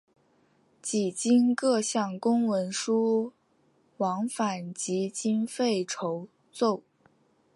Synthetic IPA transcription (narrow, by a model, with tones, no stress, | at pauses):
t͡ɕi˨˩t͡ɕi˥nkɤ˥˧ɕjɑ˥˩ŋkʊ˥ŋwə˧˥nʂu˥ | wɑ˧˥ŋfa˨˩nt͡ɕi˧˥t͡ɕi˥nfe˥˩ɪʈ͡ʂʰo˧˥ʊ | t͡so˥˩ʊ